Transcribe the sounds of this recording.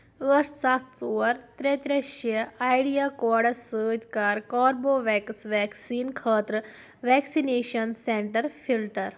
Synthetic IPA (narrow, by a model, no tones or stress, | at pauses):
əʈsat̪ʰt͡soʋəɾt̪ɾet̪ɾeʃeajɽijakɔːɽɐsəːt̪kaːɾkɔːɾboʋɛksʋɛksiːnkʰəːt̪ɾə | ʋɛksineːʃənseɳʈəɾfʰilʈəɾ